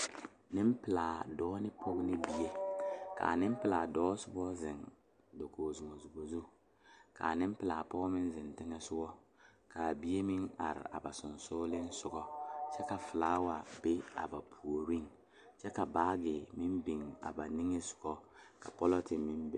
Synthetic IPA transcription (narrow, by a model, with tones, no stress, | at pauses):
nɪ˦m˦pɪ˨laː˨dɔː˦nɪ˦pʰɔ˦ɡnɪ˦bi˦je˦ka̰˨nɪ˦m˦pɪ˨la˨dɔː˦sʊ˦bɔ˦zɪ˨ŋ | do˨koː˨zu˨mo˨zu˨bo˨zu˦ | ka̰˨nɪ˦m˦pɪ˨laː˨pɔ˦ɡmɪ˦n˦zɪ˨ntɪ˦ŋɛ˦sʊ˦ɔ˦ | kʰa˨bi˦e˦mɪ˦ŋa̰˨ɾɪ̰˨ʔa̰˨ba˨sʊ˨nsʊː˦lɪ˦n˦sʊ˦ɡɔ˦t͡ʃɛ˦ka˨fɪ˨laː˦wa˨be˦a̰˨ba˨pʰu˨o˨ɾi˦ŋ | t͡ʃɛ˦ka˨baː˦ɡɪ˨mɪ˦mbi˨ŋa̰˨ba˨ni˦ŋe˦sʊ̥˨ɡ̥ɔ˦ka˨pɔ˦lɔ˦tɪ˨mɪ˦mbɪ˦